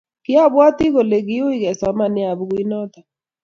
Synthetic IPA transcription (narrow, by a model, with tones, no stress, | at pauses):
kɪ˦a˦˨βwa˦ti˦ɣo˨le˨ɣi˦o˦i˦ɣɛ˨sɔ˨ma˨nɪ˦a˨βu˦ɣi˦nɔ˦ta˨